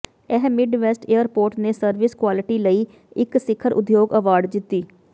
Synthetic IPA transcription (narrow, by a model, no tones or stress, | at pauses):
ɛɦmɪɖʋɛsʈeːəɾpoːɾʈneːsəɾʋɪskwaːlɪʈiːləiː | ɪksɪkʰːəɾʔʊ̰d̪joːɡəʋaːɾɖd͡ʒ̪ɪt̪ːiː